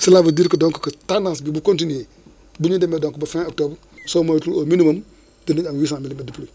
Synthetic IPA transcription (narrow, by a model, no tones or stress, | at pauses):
silabədiːɾkədɔŋkə̥kətandãnsbibukontine | buɲudemedɔŋkbɐfɛ̃ok̚toːbəɾ | soːmatulominimɐm | diniɲaŋwiːsãːmilimidiplo